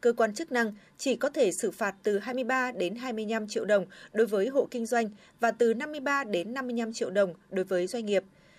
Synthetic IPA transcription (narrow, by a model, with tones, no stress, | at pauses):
kəː˧kwaː˧nt͡ɕɨ˦˥k̚na˧ŋ | t͡ɕi˧˩kɔ˨˦t̪ʰe˧˩sɨ˧˩faː˨˩t̚t̪ɨ˨˩ɦaː˧jmɨ˧əjɓaː˧ɗe˨˦nɦaː˧jmɨ˧əjɲa˧mt͡ɕḭ˧əwɗə˨˩wŋ͡mɗo˨˦jvəː˨˦jɦo̰˧˨kï˧ŋ̟zwa˧jŋ̟ | vaː˨˩t̪ɨ˨˩na˧mːɨ˧əjɓaː˧ɗe˨˦nːa˧mːɨ˧əjɲa˧mt͡ɕḭ˧˨əwɗə˨˩wŋ͡mɗo˨˦jvəː˨˦jzwa˧jŋ̟ŋi˨˩əp̚